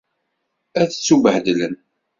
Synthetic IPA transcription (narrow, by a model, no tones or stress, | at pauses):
æθt͡sːuvəħd̪lən